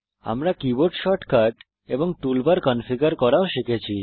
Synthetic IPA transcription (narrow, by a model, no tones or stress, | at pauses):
a̰mɾakiboɾʈʃɔʈkaʈ | eboŋʈulbaɾkɔnfiɡaɾkɔɾaoʃikʰet͡ɕʰi